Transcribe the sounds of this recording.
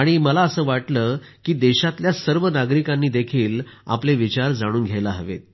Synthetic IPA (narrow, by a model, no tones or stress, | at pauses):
aɽ̃iməlaəsəːʋaʈləːkiːd̪ɛɕat̪ljasəɾʋənaɡɾikanːiːd̪ekʰiːla̰pleʋit͡ɕaɾd͡zaɽ̃uːnɡʱjajlaɦəʋḛt̪̚